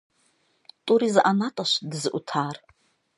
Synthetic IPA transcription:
tʼuɾizʔanatʼaʃʷdɨzɨʔṵtʰaːr

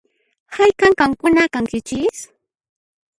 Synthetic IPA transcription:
hajkaŋkamkʊnakaŋkɪt͡ʃɪs

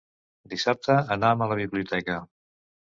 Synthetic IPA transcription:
d̪isap̚t̪əːnamələβ̞iβliut̪ɛkə

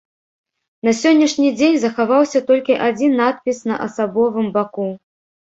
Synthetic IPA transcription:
nɐsʲɔnʲːɐʂnʲid͡zʲenʲzɐxavawsʲɐt̪ɔlʲkʲiʔad͡zʲinːat̪̚pʲisnɐʔɐsabɔvɨmbaku

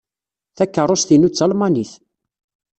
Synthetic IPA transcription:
θækːərˤosθinut͡sːɑlmɑniθ

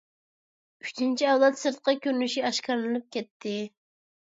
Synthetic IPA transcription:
yʃt̪ʰint͡ʃʰiɛwlˠɛt̪sɨɾt̪̚qʰɑkʲøɾnyʃiɑʃkɑɾlˠɨnɨp̚kʲʰɛt̪ʰːɪ

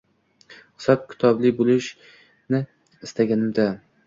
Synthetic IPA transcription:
ɨ̥sɒp̚kʲʰɪ̥t̪ʰɒblɪbolɪʃ | nɪ | ɪst̪aɡʲanɪmd̪a

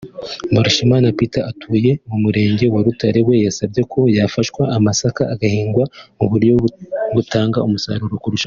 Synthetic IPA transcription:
maɾuʃimaːnapitaatʰuːje̞mumuɾe̞ːɲɟe̞waɾutaɾe̞we̞jasab̚ɟe̞kʰo̞jafaʃkwaːmasakaːɡahiːŋɡwamuβuɾjo̞βutaːŋɡaumusaɾuɾokuɾuʃa

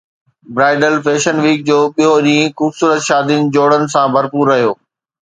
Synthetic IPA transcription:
bɾaːɪɖəlfeːʃənʋiːk̚d͡ʑoːɓijoʄĩːɪ̃xuːbsuːɾət̪ʃaːd̪inɪ̆d͡ʑoːɽənɪ̆sãbʱɐɾpuːɾːɐɦijoː

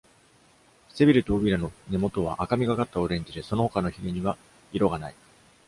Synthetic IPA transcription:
se̞bʲiɾɯ̟t̪oːbʲiɾano̞ne̞mo̞t̪o̞β̞a̰ʔakamʲiɡakat̪ːao̞ɾẽ̞ɲ̟d͡ʑid̪e̞so̞no̞hokano̞çiɡʲiɲ̟iβa | iɾoɡanai

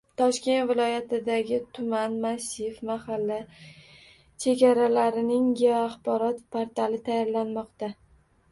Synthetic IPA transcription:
t̪ʰɒʃkʲe̞nt̪vɪlɒjat̪ɪd̪aɡʲɪt̪ʰʊmanmasɪfmahalːa | t͡ʃʰe̞ɡʲaɾalaɾɪnɪŋɡʲeɒaχbɒɾɒt̪pʰaɾt̪alɪt̪ʰajɒɾlanmɒqt̪a

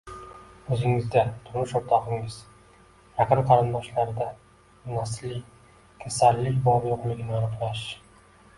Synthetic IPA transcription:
ɵzɪŋɪzd̪at̪ʰʊɾmʊʃʊɾt̪ʰɒqɪŋɪz̥ | ɾaqɨmqʰɑɾɨnd̪ɒʃlaɾɪd̪a | mʊnaslːɪ | kʲʰasalːɪkʲbɒbjoqleɡʲɪnɪanɨqlaʃ

